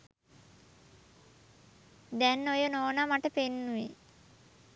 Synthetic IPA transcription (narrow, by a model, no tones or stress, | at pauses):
d̪ɛnːojənoːnamaʈəpenːuʋi